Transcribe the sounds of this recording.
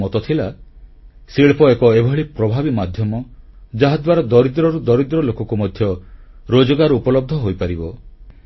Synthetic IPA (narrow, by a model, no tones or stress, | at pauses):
ɔt̪ɔt̪ʰila | siɭpɔekɔebʱɔɭipɾɔbʱabimad̪ʱjɔmɔ | d͡ʒaɦad̪waɾad̪ɔɾid̪ɾɔɾud̪ɔɾid̪ɾɔlokɔkumɔd̪ʱjɔɾod͡ʒɔɡaɾupɔlɔb̚d̪ʱɔɦojpaɾibɔ